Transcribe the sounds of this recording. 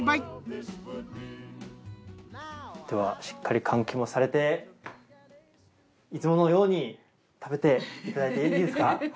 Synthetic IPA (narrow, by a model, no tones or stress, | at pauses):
d̪̥e̞βaɕi̥kːaɾʲikʰãŋkʲimo̞saɾe̞t̪e̞ | it͡sɨmo̞nojo̞ːɲ̟i | t̪ʰabe̞t̪e̞it̪ad̪ait̪eiːd̪esɨka